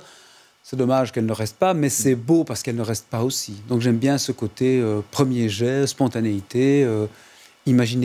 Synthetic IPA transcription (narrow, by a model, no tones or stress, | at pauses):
sɛd̪ɔmaʒkɛlnəʁɛst̪̚pamɛsɛbopaʁsə̥kɛlnəʁɛst̪̚paosid̪ɔ̃kʒɛmbjɛ̃səkot̪eøpχəmjeʒɛspɔ̃t̪aneit̪eø | imaʒin